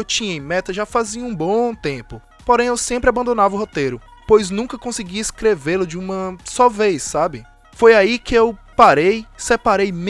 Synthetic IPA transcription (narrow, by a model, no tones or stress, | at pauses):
ewt͡ʃĩɲɐẽmɛt̪ɐʒafaziɐũbõt̪ẽpʊ | poɾẽj̃ewsẽmpɾɪabɐ̃nd̪õnavɐʊɦot̪ejɾʊ | pojznũkɐkõsɪɡieskɾevelʊd͡ʒɪũmɐsɔvejsːabɪ | fojaikɪewpaɾejsepaɾejm